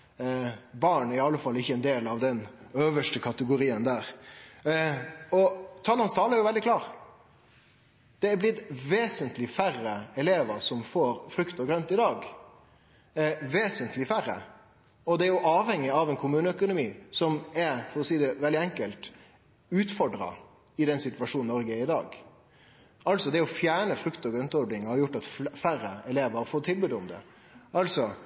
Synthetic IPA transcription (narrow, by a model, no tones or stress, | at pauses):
bɑːɳæɾɪɑlːəfɑlːɪçːəɛnd̪eːlɑʋd̪ɛnøːʋəʂʈəkʰɑt̪əɡʊɾiːənd̪æːɾ | ɔt̪ʰɑːlɑnst̪ʰɑːləæɾjʊʋɛld̪ɪklɑːɾ | d̪̥ɛæblɪt̪ʋeːsənt̪lɪfærːəɛleːʋəɾsɔmfoːɾfɾʏkt̪əɡɾœnt̪ɪd̪ɑːɡ | ʋeːsənt̪ʰlɪfæɾːə̰ | ɔd̪ɛæɾjʊʔɑːʋhɛŋːɪɑʋɛnkʰʊmʉːnəœkʊnʊmiːsɔmɛɾfɔɾɔsiːd̪ɛʋɛld̪ɪɛŋkəlt̪ | ʉːt̪fɔɖɾɑ̰ | ɪd̪ɛnsɪt̪ʉʋɑʂuːn̩ːɔɾɡəɪd̪ɑːɡ | ɑlsɔd̪ɛɔfjæːɳəfɾʉkt̪ɔɡɾœnt̪ɔɾɖnɪŋhɑɾjʊʈːɑt̪fæɾəɛleːʋəɾfoːt̪ʰɪlbʉːd̪ʊmd̪ɛ̰ | ʔɑlsɔ